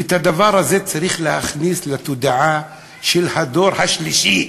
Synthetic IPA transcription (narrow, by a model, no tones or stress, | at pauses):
et̪had̪avaɾhazet͡saɾiχlehaχnislat̪ud̪aʕa | ʃelhad̪oɾhaʃliʃi